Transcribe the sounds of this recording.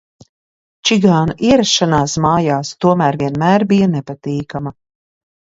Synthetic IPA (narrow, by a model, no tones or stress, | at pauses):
t͡ʃiɡaːnuʔiɛɾasːanaːsmaːjaːst̪uɔmæːɾviɛnmæːɾbijanɛpat̪iːkamɐ